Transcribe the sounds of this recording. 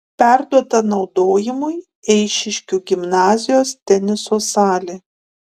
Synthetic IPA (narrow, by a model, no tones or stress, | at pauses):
pʲæˑɾd̪uɔt̪ɐnɒʊd̪oːjɪmʊɪ | ɛɪʃʲɪʃʲkʲuɡʲɪmnɑːzʲɪjoːst̪ʲɛnʲɪsoːsɑːlʲeː